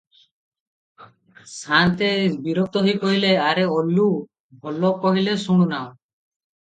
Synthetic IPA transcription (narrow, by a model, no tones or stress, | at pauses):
sant̪ebiɾɔk̚t̪ɔɦojkɔɦileaɾeɔlːu | bʱɔlɔkɔɦilesuɽ̃unã